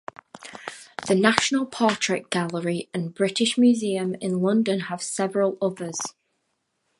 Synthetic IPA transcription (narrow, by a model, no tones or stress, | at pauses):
ðənaʃənəlˠpʰɑˑt͡ʃɹ̥ɪk̚ɡ̥alˠəɹiə̃nbɹɪʔɪʃmjʉːziə̃mɪ̰̃nlˠʌ̃ndə̃nəv̥sɛvəɹəlˠʊðəz̥